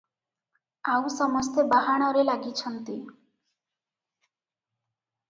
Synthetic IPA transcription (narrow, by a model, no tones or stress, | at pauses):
awsɔmɔst̪ebaɦaɽ̃ɔɾelaɡit͡ʃʰʌnt̪i